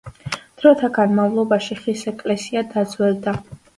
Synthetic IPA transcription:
d̪̥ɾɔt̪ʰaɡanmavlˠɔbaʃiχisɛkʼlɛsiad̪ad̪zwɛld̪a

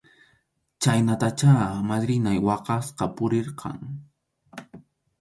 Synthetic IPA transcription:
t͡ʃajnat̪at͡ʃaːmad̪ɾɪnajwɑqɑsqɑpʊɾeɾqʰɑ̰ŋ

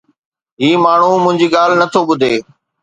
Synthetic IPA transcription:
ɦiːmaːɳ̤umʊ̃ɦɪ̃ɲd͡ʑiːɠaːl̤nɐt̪ʰoɓʊd̪ʱeː

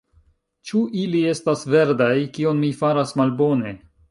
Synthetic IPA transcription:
t͡ʃuʔilie̞stasve̞ɾdajkio̞nmifaɾasmalbo̞ne̞

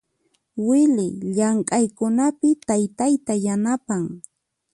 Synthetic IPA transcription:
wɪlɪʎaɴkʼajkʊnapɪt̪ajt̪ajt̪ajanapaŋ

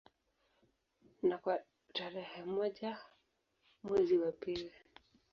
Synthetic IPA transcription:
nakwa | taɾɛhɛmɔʄa | mwɛziwapili

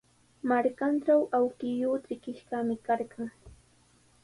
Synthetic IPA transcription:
maɾkanʈ͡ʂawʔawkɪjʊːt͡sɪkɪʃɢɑmɪkaɾɢɑŋ

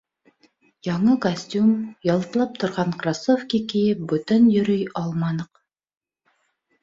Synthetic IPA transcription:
jɑɴɤkosʲtʲumjɑlˠt̪ɤ̆lˠɑp̚t̪ʰŏɾʁɑɴkrasofkʲikɘjɘp̚bɵt̪ɵnjɵ̆ɾɵjɑlˠmɑnɤq

